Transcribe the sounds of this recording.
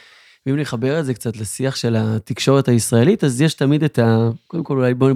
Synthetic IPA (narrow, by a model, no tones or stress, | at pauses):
veimleχabe̞ʁeze̞kt͡satlesiaχʃe̞lat̪ikʃo̞ʁe̞thaisʁae̞litazjeʃtamid̪et̪akod̪emko̞lulajbon